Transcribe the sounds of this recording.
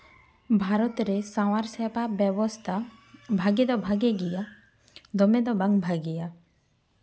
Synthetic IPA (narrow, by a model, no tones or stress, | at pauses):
bʱaːɾɔt̪ɾesawaɾsɛpabɛwɔst̪ʰabʱaɡed̪ɔbʱaɡeɡija | d̪ɔmed̪ɔbãŋɡbʱaɡija